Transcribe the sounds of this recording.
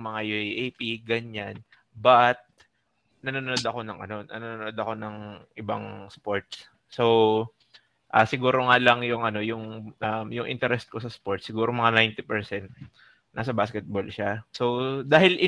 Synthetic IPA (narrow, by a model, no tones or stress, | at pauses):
mɐŋajuʔjʔejpiɡɐɲan | bɐt̪̚ | nɐnonnod̪ɐko̞nɐŋʔɐ̰no̞nɐ̰nononod̪ɐko̞nɐŋʔɪbaŋspo̞ɹt̪s | so̞w | ʔaːsɪɡuːɾo̞ŋaːlɐŋjʊŋʔɐno̞jʊŋʔɐmjʊŋʔɪ̰nt̪ɛɾɛst̪̚ko̞sɐspo̞ɹt̪sːɪɡuːɾomɐŋanajnt̪ɪpɛɹsɛnt̪̚ | nʔasɐbaːskɛt̪̚bo̞lʃaso̞wd̪aːhɪlʔɪ